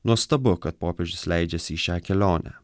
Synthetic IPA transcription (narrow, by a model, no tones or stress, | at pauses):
nuɔst̪ɐbʊkɐt̪̚poːpʲɛʒʲʊslʲæɪd͡ʒʲɛsʲɪiʃʲæːkʲɛlʲoːnʲæ̰